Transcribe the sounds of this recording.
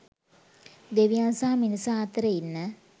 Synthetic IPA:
d̪eʋijansaɦaminisaːt̪əɾəinːə

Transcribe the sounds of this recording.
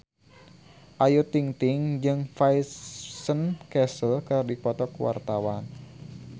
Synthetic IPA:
ʔajut̪iŋt̪ɪŋd͡ʒɨŋfajsənkɛsəlkərdipɔt̪ɔkwa̰rt̪awan

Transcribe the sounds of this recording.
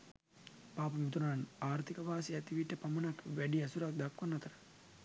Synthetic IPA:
paːpəmut̪unaːnaːɾt̪ikəʋaːsiɛt̪iʋiʈːəpamɐnakʋæɖiasuɾak̚d̪akʋanːɐt̪əɾə

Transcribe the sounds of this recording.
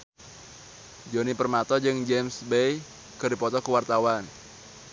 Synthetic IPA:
d͡ʒonipərmat̪ɔd͡ʒɨŋd͡ʒɛmsbej | kɨrdipɔt̪ɔkuwart̪awan

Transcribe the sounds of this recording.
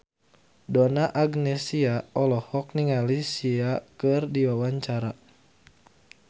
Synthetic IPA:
dɔnaʔaɡnɛsiaɔlɔhɔk̚niŋalisiakɨrdiwawaɲt͡ʃaɾa

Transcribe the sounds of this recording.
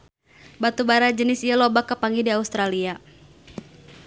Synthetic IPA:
bat̪ubaɾad͡ʒənɪsijalɔbakapaŋidiaust̪ɾalia

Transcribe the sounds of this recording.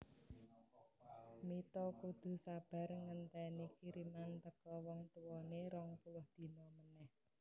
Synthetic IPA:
mit̪ɔkud̪̥ṳsab̥a̤rŋənt̪ɛnikiɾimant̪əkɔwɔŋt̪uwɔneɾɔŋpulʊhd̪̥i̤nɔmənɛh

